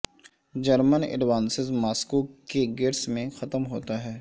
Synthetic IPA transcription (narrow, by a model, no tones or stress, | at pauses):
d͡ʒɐɾmənɪ̰ɖʋaːnsɪzmaːskukeɡɪɾsmẽxɐt̪mɦoːt̪aɦɛː